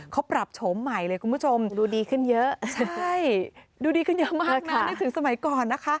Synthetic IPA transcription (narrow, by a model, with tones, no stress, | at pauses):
kʰa˦˥wpɾa˨˩p̚t͡ɕʰo˩˦mːa˨˩jlɤː˧jkʰu˧npʰu˦˥t͡ɕʰo˧mduː˧diː˧kʰɯ˥˩njɤ˦˥ʔt͡ɕʰa˥˩j | duː˧diː˧kʰɯ˥˩njə˦˥ʔmaː˥˦k̚na˦˧˩t̪ʰɯ˨˩˦ŋsa˧ma˨˩˦jkɔː˨˩nːa˦˥kʰa˦˥ʔ